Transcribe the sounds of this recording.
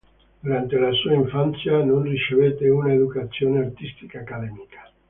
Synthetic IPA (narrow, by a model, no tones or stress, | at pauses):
d̪uɾant̪elasuaiɱfant̪sjanõnrit͡ʃevet̪eunaeðukat̪sjoːneart̪ist̪i̥kaːkaðɛmikḁ